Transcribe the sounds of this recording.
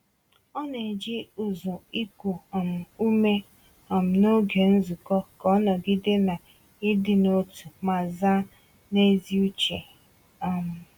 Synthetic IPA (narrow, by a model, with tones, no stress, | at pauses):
ɔ˦ne˨d͡ʒɪ˦u˨zu˨i˦kʷu˨m̩˨u˦me˦ | ɔ˨m̩˨no˦ɡe˨n̩˦zu˨kɔ˦kɔ˦nɔ˨ɡɪ˦de˦na˨ | ɪ˦dɪ˨no˦tu˨ma˨za˦ | ne˦zi˦u˦t͡ʃe˨ | a˨m̩˨